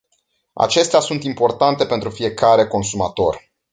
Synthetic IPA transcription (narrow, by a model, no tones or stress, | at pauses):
a̰t͡ʃe̞st̪easunt̪impo̞rt̪ant̪e̞pent̪ɾufie̞kaɾe̞ko̞nsumat̪o̞r